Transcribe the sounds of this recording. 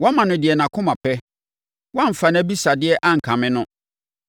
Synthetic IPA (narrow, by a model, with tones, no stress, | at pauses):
wɔ̃˦mã˨nʊ̃˨dɪ˨ɛ˨nã˨kʰʊ̃˦mã˨pʰɛ˦ | wã˦m̩˨fa˨ñ˦æ˦bi˦sa˨dɪ˦ɛ˦ʔa˦ŋ̩˨kʰã˨mɪ̃˦nʊ̃˦